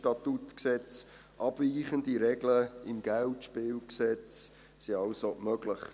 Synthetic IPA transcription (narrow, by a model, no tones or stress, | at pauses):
tɑt̪utksɛt͡s | ʔɑb̥viːχəndiɾɛɡləɪmɡ̥æltʃpɪːlksɛt͡s | siɑʊsomœɡlɪχ